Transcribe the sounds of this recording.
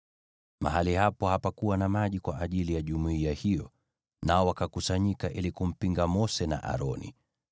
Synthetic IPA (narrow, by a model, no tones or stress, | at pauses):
ma̰ɦalihapɔhapakuwanamaʄikwaʔaʄilijaʄumuiahijɔ̰ | naɔwakakusaɲikaʔilikum̩piŋɡamɔsɛna̰ʔa̰ɾɔnḭ